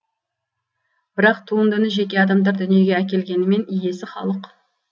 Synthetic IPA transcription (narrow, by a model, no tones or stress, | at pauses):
b̥ɪɾɑqt̪ʰuənd̪ʏnəʒe̞kʲe̞ɑd̪ɑmd̪ɑɾd̪ʏnije̞ɡʲeækʲe̞lɡʲe̞nɪme̞nije̞sɪχɑ̰lˠəq